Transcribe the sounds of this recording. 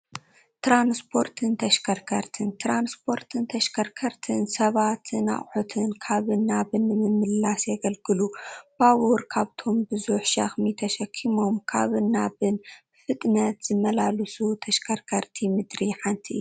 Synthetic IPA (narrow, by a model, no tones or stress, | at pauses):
t̪ɾanspʰo̞ɾt̪ʰɨnt̪ʰɐʃkʰɐɾkʰɐɾt̪ʰɨnt̪ɾanspʰo̞ɾt̪ʰɨnt̪ʰɐʃkʰɐɾkʰɐɾt̪ʰɨnsɐβat̪ʰɨna̰ʔħot̪ʰɨnkʰaβɨnːaβɨnːɨmɨmɨlasjɐɡɐlɡɨlub̥awuɾkʰaβt̪ʰo̞mbɨzuħʃɐ̰xmit̪ʰɐʃɐkʰːimo̞mkʰa̰βɨnːaβɨn | fɨt̪ʼnɐt̪z̥ɨmɐlalɨsut̪ʰɐʃkʰɐɾkʰɐɾt̪ʰimɨd̪ɾiħant̪ʰiʔɨ̰jːuu